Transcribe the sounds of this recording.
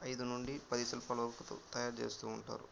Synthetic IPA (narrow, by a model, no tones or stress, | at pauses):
ɐjd̪unuɳɖipɐd̪isɐlpɐlɐɐɾkut̪o̰t̪ɐjaːɾt͡ʃe̞ːst̪uːɳʈa̰ːɾṵ